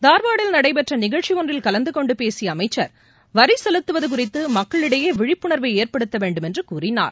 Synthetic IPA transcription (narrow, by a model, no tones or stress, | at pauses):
d̪aːɾʋaːɽɪlnɐɽɐɪpɛʈrɐnɪɣɐɭt͡ʃiɔndrɪlkɐlɐnd̪ɯkɔɳɖɯpeːsɪjɐːmɐɪt͡ʃːɐɾ | ʋɐɾisɛlɯt̪ːɯʋɐðɯk̬ʊrɪt̪ːɯmɐkːɐɭɪɽɐjeːʋɪɻɪpːʊɳɐɾʋɐeːɾpɐɽɯt̪ːɐʋeːɳɖɯmɛndrɯkuːrɪna̰ːɾ